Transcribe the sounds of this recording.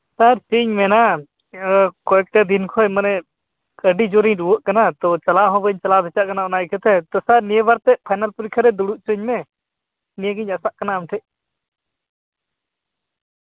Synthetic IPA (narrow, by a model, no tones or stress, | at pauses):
saɾsiɲmɛna | kɔɛk̚ʈɛd̪inkʰɔɛmanɛ | kəɖid͡ʒɔɾiɲɾuwəʔkanat̪ɔt͡ʃalaɦɔ̃bəɲt͡ʃalad̪ɛt͡ʃaʔkanaɔnaikʰət̪ʰɛt̪ɔsaɾnijəbaɾt̪ɛʔpʰajnalpuɾikʰaɾɛd̪uɽuʔ̚t͡ʃuɲmɛ | nijeɡəɲasaʔkanaːmʈʰɛʔ